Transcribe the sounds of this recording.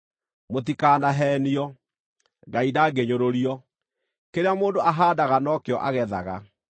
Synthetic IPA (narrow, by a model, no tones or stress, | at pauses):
motikaːnaɦɛːniɔ | ɡaidaɡeɲoɾoɾiɔ | keɾeamoːndoaɦaːdaɣanɔkeɔʔaɣɛðaɣa̰